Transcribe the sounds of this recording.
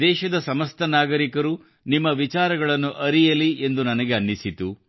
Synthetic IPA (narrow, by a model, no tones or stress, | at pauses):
d̪ɛːʃɐd̪ɐsɐmɐst̪ʰɐnaːɡɐɾikɐɾu | nimːɐʋit͡ʃaːɾɐɡɐɭɐnːuʔɐɾijɐliʔend̪unɐnɐɡe̞ɐnːisit̪u